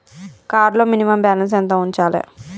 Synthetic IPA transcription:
kaːɾloːminimɐmbaːlɐns̬ɛnt̪oːuɲt͡ʃaːlḛ

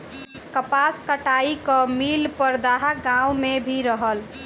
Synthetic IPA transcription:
kəpaskəʈaikəmilpəɾd̪aɦaɡãwmebʱiɾəɦəl

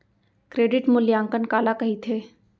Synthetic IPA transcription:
kɾeːɖɪʈmʊljaːŋkənkaːlakɐɦit̪ʰeː

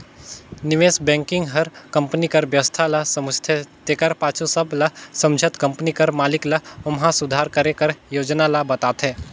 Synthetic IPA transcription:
nɪʋeːsbɛ̃ːŋkɪ̃ŋɡɦɐɾkɐ̃mpnikɐɾʋjəst̪ʰalasɐmd͡ʒt̪ʰɛt̪eːkɐɾpaːt͡ʃʰusɐblasɐ̃md͡ʒʱət̪kɐ̃mpnikɐɾmaːlɪklɐɐmɦãsʊd̪ʱaːɾkɐɾekɐɾjoːd͡ʒnalabɐt̪aːt̪ɦɛː

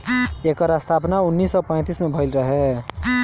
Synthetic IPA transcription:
ekəɾast̪ʰapnaʊnːiːsːɔpə̃ɪ̃t̪ismebʱəɪlɾəɦɛ

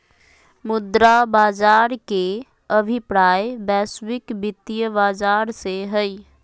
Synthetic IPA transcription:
mud̪ɾabad͡ʒaɾke | əbʱipɾajbɛswikbit̪ːijəbad͡ʒaɾseɦəj

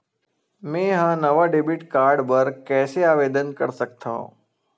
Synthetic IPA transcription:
mẽːɦãːnəʋaɖeːbiʈkaːɾɖbəɾkɛːseaːʋeːd̪ənkəɾsək̚t̪ʰaõ̰

